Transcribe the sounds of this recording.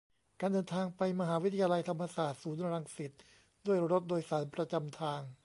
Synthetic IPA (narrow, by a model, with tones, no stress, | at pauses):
kaː˧ndɤː˧nt̪ʰaː˧ŋpa˧jma˧ɦaː˩˦wi˦˥t̪ʰa˧jaː˧la˧jt̪ʰa˧mːa˧saː˨˩t̪̚suː˩˦n˧ɾa˧ŋsi˨˩t̪̚ | du˥˩əjɾo˦˥t̪̚doː˧jsaː˩˦npɾa˧t͡ɕa˧mt̪ʰaː˧ŋ